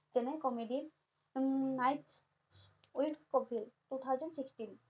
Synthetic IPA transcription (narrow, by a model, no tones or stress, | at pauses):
d͡ʑenekɔmeɖiɾ | najʈ | ujʈkɔpʰild̥̪ut̪ʰawd͡ʑɔnsiksʈin